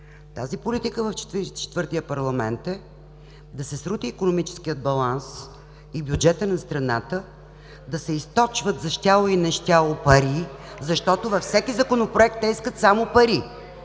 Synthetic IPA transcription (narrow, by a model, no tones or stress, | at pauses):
t̪azipolit̪ikəvɐft͡ʃ̪t͡ʃɛ̥t̪vɤɾt̪ijəpɐɾlˠɐmɛnt̪ɛ | d̪ɐsɛsɾut̪iːkonomit͡ʃɛ̥sk̟ijəd̪̚bɐlˠans | ibjud͡ʒɛt̪ənɐst̪ɾɐnat̪ə | d̪ɐsɛist̪ɔt͡ʃvət̪zɐʃt̪ʲalˠoinɛʃt̪ʲalˠopɐɾizɐʃt̪ɔt̪ʊvɐfsɛkizɐkonopɾoɛk̚t̪ːɛiskət̪samopɐɾi